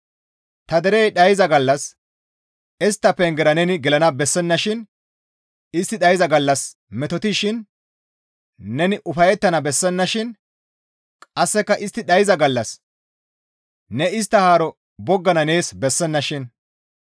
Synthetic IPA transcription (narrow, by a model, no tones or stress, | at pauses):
t̪ɐd̪ɛɾejɗɐjɪzɐɡɐlːɐs | ɛst̪ːɐpɛŋɡɛɾɐnɛnɪɡɛlɐnɐbɛsːɛnːɐʃɪn | ɪst̪ːɪɗɐjɪzɐɡɐlːɐs | mɛt̪ɔt̪ɪʃɪn | ɛnɪʔʊfɐjɛt̪ːɐnɐbɛsːɛnːɐʃɪn | kʼɐsːɛkːɐʔɪst̪ːɪɗɐjɪzɐɡɐlːɐs | nɛɪs̬t̪ːɐhaːɾɔ | bɔɡːɐnɐne̞ːsbɛsːɛnːɐʃɪn